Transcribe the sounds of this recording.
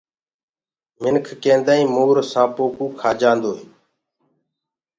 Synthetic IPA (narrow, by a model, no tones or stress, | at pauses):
mɪnkʰkẽːnd̪aːĩːmoːɾsãːpoːkuːkʰaːd͡ʒãːnd̪oːeː